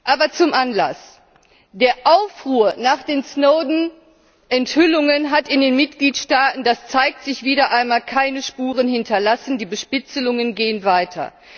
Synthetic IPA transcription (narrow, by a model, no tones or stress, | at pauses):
ʔaːbɐt͡sʊmʔanla̰s | d̥eːɐʔaʊfʁuːɐnaːχd̥eːnsnoʊdn̩ | ʔɛnthʏlʊŋənɦatɪndeːnmɪt̚ɡ̥liːtʃtaːtn̩d̥ast͡saɪk̚tz̥ɪçv̥iːɾɐʔaɪnmaːlkʰaɪnəʃpuːʁ̞ənhɪntʰɐlasn̩diːbəʃpɪt͡səlʊŋənɡeːənvaɪtʰɐ̰